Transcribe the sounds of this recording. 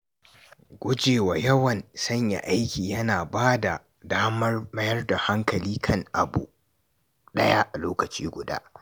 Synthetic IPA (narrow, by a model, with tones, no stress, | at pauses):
ɡʷʊ˦d͡ʒeː˨waː˨jɐ˦wɐ˨nsɐ˦ɲja̰˨ʔa˦jkʲiː˨jɐ˦naː˨baː˦da˨ | daː˦mɐ˦rbɐ˦jɐ˦rda˨ha˦ŋkɐ˨liː˦kʰɐ˦ŋʔa̰˨bṵ˨ | ɗɐ˦ja˦ʔa˨loː˦kɐ˨t͡ʃḭː˦ɡʷʊ˨da̰ː˦